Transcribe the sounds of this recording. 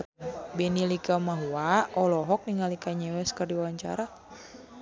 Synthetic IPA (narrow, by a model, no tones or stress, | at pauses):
bɛnilikamaɦuaʔɔlɔɦɔk̚niŋalikaɲɛwɛskərdiwawaɲt͡ʃa̰ɾa